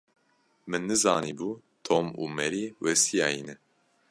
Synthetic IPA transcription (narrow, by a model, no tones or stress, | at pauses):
mɨnːɨzɑːniːbuː | t̪ʰoːmṵːmɛɾiːwɛsijɑːinɛ